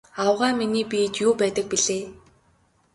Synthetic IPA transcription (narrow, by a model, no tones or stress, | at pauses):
awʁaːminiːpiːt͡ɕjuːpæːt̪ə̆k̚piɮeː